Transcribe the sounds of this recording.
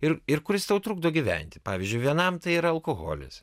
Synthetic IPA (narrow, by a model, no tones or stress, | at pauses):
ɪɾɪɾkʊɾʲɪst̪ɐʊt̪ɾuːɡ̚d̪oːɡʲiʋʲɛ̰nʲt̪ʲɪ̥pɑːʋʲizʲd͡ʒʲʊɪʋʲiɛnɐmt̪ɐɪiɾɐɐlˠkoɣo̰ːlʲɪ̰s